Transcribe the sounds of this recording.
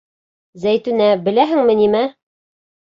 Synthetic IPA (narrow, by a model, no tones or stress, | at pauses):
zæjt̪ʉnæbɘ̆læɦɘŋmɘ̆nimæ